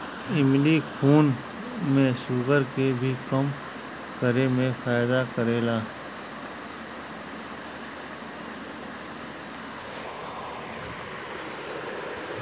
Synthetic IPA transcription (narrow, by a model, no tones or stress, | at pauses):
ɪmɖikʰuːn | mẽʃuːɡəɾkebʱikəm | kəɾemẽfaːɪd̪akəɾeːlaː